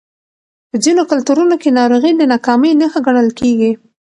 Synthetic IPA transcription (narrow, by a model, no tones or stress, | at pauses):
pəzinokʊlt̪uɾunokenɑɾoɣid̪ənɑkɑmenəxəɡaɳ̃əlkeɡi